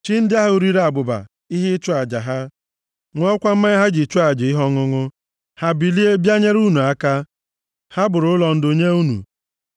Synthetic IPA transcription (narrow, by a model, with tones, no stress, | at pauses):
t͡ʃi˦n̩˦dɪ˦a˦ɦu˦ɾi˦ɾe˦a˨bʊ˨ba̰˨ | i˦ɦɪ˦t͡ʃu˦a˨d͡ʒa˨ɦa˦ | ŋʷɔ˦kʷa˦m̩˦ma˦ɦa˦d͡ʒi˨t͡ʃu˦a˨d͡ʒɪ˨i˦ɦɔ˦ŋʊ˦ŋʊ˦ | ha˦bi˨li˦e˦bja˦ɲe˦ɾu˦nu˨a˦ka˦ | ha˦bʊ˨ɾʊ˨ʊ˦lɔ˨n̩˦do˨ɲe˦u˦nṵ˨